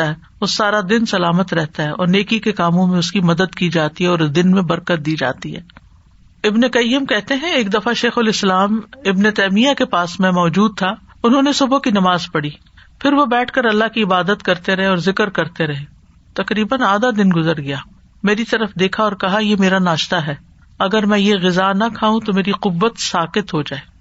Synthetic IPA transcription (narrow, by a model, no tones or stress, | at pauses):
t̪aɦɛː | ʋʊsaːɾad̪ɪnsɐlaːmət̪ɾɛɦt̪aɦɛɔːɾneːkikekaːmõmẽʊskimɐd̪əd̪kid͡ʒaːt̪iɦɛɔːɾd̪ɪnmẽbɐɾkət̪̚d̪iːd͡ʒa̰ːt̪iɦɛ̰ː | ɪbnekɐjːəmkɛɦt̪eɦɛ̃eːkd̪ɐfaʃeːxʊlɪslaːmɪbnet̪ɛːmijakepaːsmɛ̃mɔːd͡ʒuːd̪̚t̪ʰa | ʊnɦõnesʊbkinɐmaːzpɐɽi | pʰɪɾʋobɛːʈʰkɐɾɐlːaɦkiɪbaːd̪ət̪kɐɾt̪eɾɐɦẽɔːɾzɪkəɾkɐɾt̪eɾɐɦẽː | t̪ɐqɾiːbənaːd̪ad̪ɪnɡʊzəɾɡɐjaː | meːɾit̪ɐɾəfd̪eːkʰaɔːɾkɐɦajemeːɾanaːʃt̪aɦɛː | ɐɡəɾmɛ̃jeɣɪzanɐkʰaːũt̪omeːɾiqʊʋːət̪saːqɪt̪ɦod͡ʒaːeː